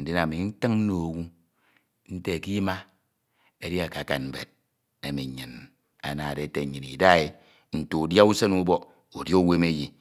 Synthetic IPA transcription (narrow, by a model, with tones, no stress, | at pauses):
n̩˨de˦na˨mi˨˦n̩˦tɨ˦ŋn̩˦no˨o˨wu˦ | n̩˦te˦e˨ki˦ma˦ | e˨di˦a˨ka˨ka̰˨nm̩˨bḛ˨d̚ | e˨mi˨ɲɨ˨n | a̰˨na˨de˨te˨ɲɨ˨ni˨da˦e˨ | n̩˨to˨u˨dja˦u˦se˦nu˦bɔ˦ | o˨djo˦we˦me˦ji˨